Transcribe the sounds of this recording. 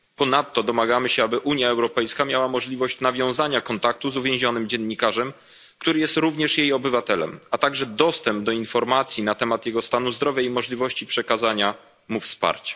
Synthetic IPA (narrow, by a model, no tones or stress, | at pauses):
pɔnat̪ːɔd̪ɔmaɡamɘɕɛabɘʔuɲjaɛwɾɔpɛjskamʲjawamɔʐlʲivɔɕt͡ɕnavʲjɔ̃w̃zaɲakɔnt̪ak̚t̪uzuvʲjẽw̃ʑɔnɘmd͡ʑɛnːikaʐɛm | kt̪uɾɘjɛst̪ɾuvɲɛʂjejɔbɘvat̪ɛlɛ̰mat̪aɡʐɛd̪ɔst̪ɛmb̚d̪ɔinfɔɾmat̪sʲjinat̪ɛmat̪jɛɡɔst̪anuzd̪ɾɔvʲjaimɔʐlʲivɔɕt͡ɕipʂɛkazaɲa | mufspa̰ɾt͡ɕḁ